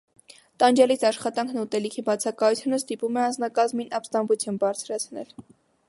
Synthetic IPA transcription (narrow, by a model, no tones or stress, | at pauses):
t̪ɑnd͡ʒɑlit͡sʰɑʃχɑt̪ɑŋkʰnut̪ɛlikʰibɑt͡sʰɑkɑjut͡sʰjunəst̪ipumɛɑnd͡znɑkɑzminʔɑpst̪ɑmbut͡sʰjunbɑɾt͡sʰɾɑt͡sʰnɛ̰l